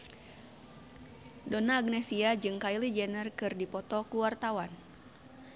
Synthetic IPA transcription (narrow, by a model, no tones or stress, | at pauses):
donaːɡnɛsiad͡ʒɨŋkailid͡ʒɛnərkɨrdipɔt̪ɔkuwart̪awan